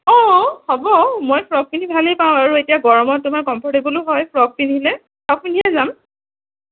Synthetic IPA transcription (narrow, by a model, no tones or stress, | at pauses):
ɔ̃hɔbɔmɔjpʰɹɔk̚pinibʱalejpaʊ̃aɹuetijaɡɔɹɔmɔt̚ːʊmaɹkɔmpʰɔɹtebɔluɦɔjpʰɹɔk̚pinilɛ | pʰɔk̚pinʱijazam